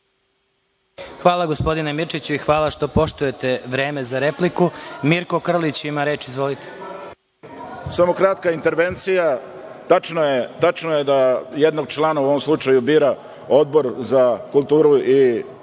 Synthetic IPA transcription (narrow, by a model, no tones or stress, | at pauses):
xʋaːlˠaɡospo̞d̪inemirt͡ʃit͡ɕuixʋaːlˠaʃt̪o̞po̞ʃt̪uje̞t̪e̞ʋɾe̞ːme̞zaɾe̞plikumiɾko̞kr̩lit͡ɕimaɾe̞ːt͡ʃizʋo̞lit̪ʰe | samokɾat̪kaint̪eɾʋent̪sija | t̪at͡ʃnojet̪at͡ʃnojed̪ajed̪noɡ̚t͡ʃlanauoʋomslˠut͡ʃajubiːɾa | o̞d̪̚bo̞ɾzakulˠt̪uːɾuʔi